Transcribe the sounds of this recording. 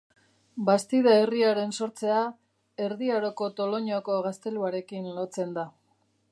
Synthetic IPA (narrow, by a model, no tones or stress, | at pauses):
bast̪iðaeriaɾe̞nso̞ɾt͡se̞a | e̞ɾðiaɾo̞ko̞t̪o̞lo̞ɲoko̞ɣast̪e̞luaɾe̞kinlo̞t͡se̞nd̪a